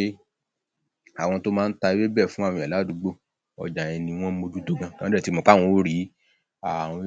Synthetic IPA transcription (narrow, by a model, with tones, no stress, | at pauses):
e˦ | a˨w̃ɔ̃˧to˦mãː˦˧˦n̩˦ta˧i˦e˦bɛ˦˨fũ˨˦a˦˨w̃ĩ˧˨a˨la˨˦dũ˨˦ɡ͡bo˦˨ | ɔ̰˨d͡ʒa˨j̃ɛ̃˧nĩ˧w̃ɔ̃˦mo˧d͡ʒu˦do˦˨ɡã˧˨kã˦dɛ˦˨ti˧˦mɔ̃˨k͡pa˦˨w̃ɔ̃˧˦o˦ɾi˨˦ | ã˨ɔ̃˧